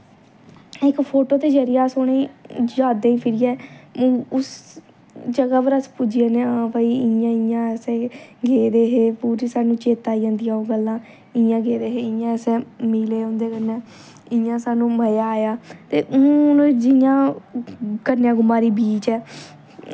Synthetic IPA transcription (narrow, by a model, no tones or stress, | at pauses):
ɪkpʰoːʈoːt̪eːd͡ʒəɾɪjaːsoɽẽd͡ʒaːd̪ẽːĩːpʰɪɾɪjɛ̃ː | ʊs | d͡ʒəɡaːʋəɾəspʊd͡ʒɪeːnẽːapaːiːɪãːɪjãːɛːsɛ̃ːɡeːɾeːɦeːpuːɾiːsaːnũːt͡ʃeːt̪aːid͡ʒãːnd̪ɪjãːõːɡəlːãː | ɪjãːɡeːd̪eːɦeːɪjãːɛːsɛ̃ːmiːleːõːnd̪eːkənːɛ̃ː | ɪãːsaːnũːməjaːjaːt̪eːʔʊnd͡ʒɪjãː | kəɾnjãːɡʊmaːɾiːbiːt͡ʃɛː